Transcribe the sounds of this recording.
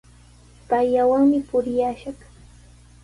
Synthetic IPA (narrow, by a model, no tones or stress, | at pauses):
pajːawaŋmɪpʊɾɪjaʃaχ